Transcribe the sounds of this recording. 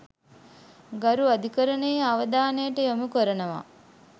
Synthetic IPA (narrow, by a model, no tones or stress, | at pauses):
ɡɐɾuɐd̪ʱikəɾɐneːaʋəd̪aːnejːʈəjomukoɾɐnɐʋa̰